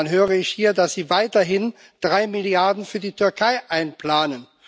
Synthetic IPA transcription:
nɦøːʁəɪçhiːɐdasz̥iːvaɪtɐɦɪn | d̥ʁaɪmɪljaɐdn̩fyːɐdiːtʰʏɐkʰaɪʔaɪnplaːnən

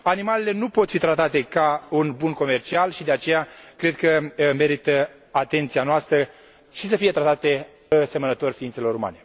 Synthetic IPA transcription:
animalele̞nupo̞t̪fit̪ɾat̪at̪e̞kaunbunko̞me̞rt͡ʃialʃid̪e̞at͡ʃe̞jakɾe̞d̪̚kəme̞ɾit̪ə | at̪e̞nt̪sianoast̪ɾə | ʃis̬əfije̞t̪ɾat̪at̪e̞ | se̞mənət̪o̞rʲfiint̪selo̞ɾuma̰ne̞

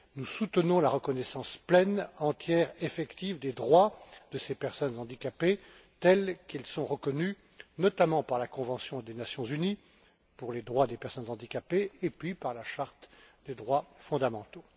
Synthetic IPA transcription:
nusut̪ənɔ̃laʁəkɔnɛsɑ̃splɛnɑ̃t̪jɛʁefɛkt̪ivd̪ed̪ʁwad̪̥əsepɛʁsɔnzɑ̃d̪ikʲape | t̪ɛlkilsɔ̃ʁəkɔny | nɔt̪amɑ̃paʁlakɔ̃vɑ̃sjɔ̃d̪enasjɔ̃zyni | puʁled̪ʁwad̪epɛʁsɔnzɑ̃d̪ikapeːpɥipaʁlaʃaʁt̪d̪ed̪ʁwafɔ̃d̪amɑ̃t̪o

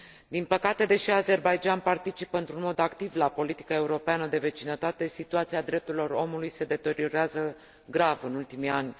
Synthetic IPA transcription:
d̪inpəkat̪e̞d̪e̞ʃiaze̞rbajd͡ʒanpart̪it͡ʃipəɨnt̪ɾunmo̞d̪akt̪ivlapo̞lit̪i̥kae̞uɾo̞peanəd̪e̞ve̞t͡ʃinət̪at̪e̞sit̪uat̪siad̪ɾe̞p̚t̪uɾilo̞ro̞mulujse̞d̪e̞t̪e̞ɾio̞ɾeazə | ɡɾavɨnult̪imianʲ

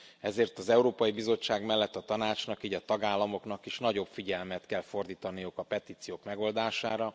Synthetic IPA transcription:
ɛzeːrt̪ɒzɛuɾoːpɒjibizo̞t͡ʃːaːɡmɛlːɛt̪ːɒt̪ɒnaːt͡ʃnɒkiːɟɒt̪ɒɡaːlːɒmo̞kn̪ɒkiʃnɒɟo̞bfiɟɛlmɛt̪kɛlfo̞rd̪iːt̪ɒnijukɒpɛt̪iːt̪sijoːkmɛɡo̞ld̪aːʃaːɾɒ

